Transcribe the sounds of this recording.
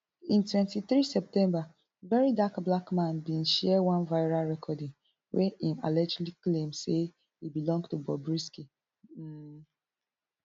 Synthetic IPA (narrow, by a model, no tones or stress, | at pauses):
ĩntwɛ̃ntiθɹisɛp̚tɛ̃mba | vɛɹidakblakmãnbĩnʃɛwãnvaɪɹalɹɛkʰɔdɪ̃ŋ | wʔɛĩma̰lɛd͡ʒliklẽmse | hibilɔ̃ŋɡtubɔbɹiski